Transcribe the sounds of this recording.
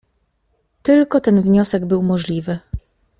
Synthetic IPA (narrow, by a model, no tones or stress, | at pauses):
t̪ɘlkɔt̪ɛnvɲɔsɛɡbɘwmɔʐlʲivɘ